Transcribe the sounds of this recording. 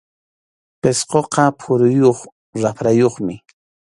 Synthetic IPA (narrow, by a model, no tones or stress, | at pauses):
pesqoqɑpʰʊɾʊjoχ | ɾapɾajoχmɪ